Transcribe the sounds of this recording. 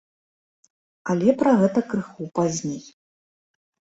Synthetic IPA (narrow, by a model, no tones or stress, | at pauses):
alʲɛpɾɐɣɛt̪ɐkɾɨxupazʲnʲej